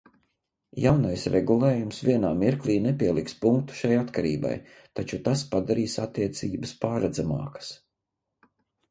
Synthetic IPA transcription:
jawnajsɾʔɛɡulˠeːjumsvʲiɛnaːmiɾklʲˠiːnɛpʲiɛlˠikspuŋkt̪u̥ʃajat̪kaɾḭːba̰j | t̪at͡ʃut̪aspad̪aɾiːsat̪ːiɛt̪siːbəspaːɾad̪zamɑ̰ːkə̥s

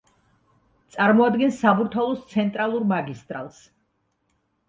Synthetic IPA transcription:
t̪sʼaɾmɔad̪ɡɛnsːabuɾt̪ʰalˠɔst̪sʰɛnt̪ʼɾalˠuɾmaɡist̪ʼɾa̰lˠs

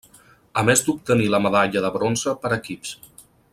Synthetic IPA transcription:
əmezd̪up̚t̪əniləməðaʎəðəβɾonzəpəɾəkips

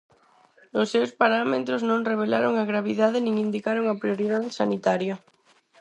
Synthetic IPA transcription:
ʊsːewspaɾamet̪ɾoznõŋreβ̞elaɾoŋaɣɾaβ̞iðaðɪnĩŋind̪ikaɾoŋɐpɾjoɾiðaðesanit̪aɾjɐ

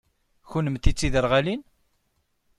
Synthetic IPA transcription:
çunəmt̪it͡sːiðəɾʁælin

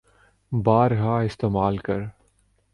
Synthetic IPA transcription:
baːɾɦaːɪst̪eːmaːlkɐɾ

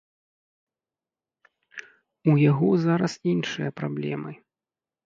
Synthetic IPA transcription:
ujaɣɔzaɾɐsinʂɨjɐpɾablʲɛ̰mɨ

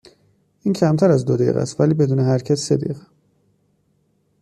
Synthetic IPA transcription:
ʔiːncʰæmt̪ʰæɾæzd̪od̪ḛɣæ̰st̪væliːbe̞d̪uːneɦæɾcʰæssed̪ḛɣæ

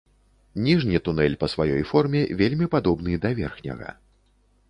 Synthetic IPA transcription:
nʲiʐnʲit̪unɛlʲpɐsvajɔjfɔrmʲɛvʲelʲmʲipad̪ɔbnɨd̪ɐvʲɛ̰rxnʲɐ̰ɣɐ̰

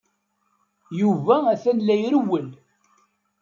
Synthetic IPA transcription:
juvææθænlæjɾəwːəl

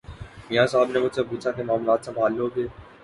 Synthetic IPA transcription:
mijãːsaːbnemʊd͡ʒsepuːt͡ʃʰakemaːmlaːt̪sɐ̃mbʱaːlːoːɡeː

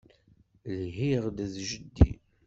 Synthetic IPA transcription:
lɦiʁd̪æðʒəd̪ːḭ

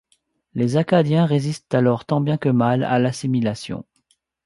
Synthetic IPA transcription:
lezakad̪jɛ̃ʁezist̪alɔʁt̪ɑ̃bjɛ̃kəmala̰lasimilasjɔ̰̃

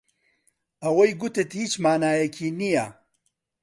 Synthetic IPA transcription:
ɐwɐjɡut̪et̪hit͡ʃmaːnaːjekʰinija

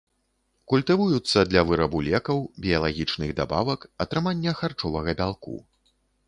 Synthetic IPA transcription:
kulʲt̪ɨvujut̪sːɐd̪lʲɐvɨɾɐbulʲɛkɐwbʲijɐlˠaɣʲit͡ʂnɨɣd̪a̰ba̰vɐkɐt̪ɾɨmanʲːɐxart͡ʂɔvɐɣɐbʲalˠkṵ

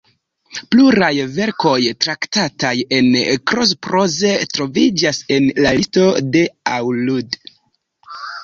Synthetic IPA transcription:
pluɾajve̞ɾko̞jtɾaktataje̞nkɾo̞s̬pɾo̞ze̞tɾo̞vid͡ʒase̞nlalisto̞de̞awlud

